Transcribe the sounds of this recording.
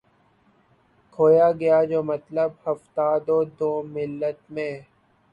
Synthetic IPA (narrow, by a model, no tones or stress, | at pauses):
kʰoːjaɡɐjad͡ʒoːmɐt̪ləbhɐft̪aːd̪oːd̪oːmɪlːət̪mẽː